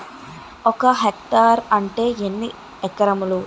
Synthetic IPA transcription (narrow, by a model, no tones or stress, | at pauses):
ɔkɐɦek̚ʈaːɾɐɳʈe̞ːenːi | ɛkːɐɾɐmulu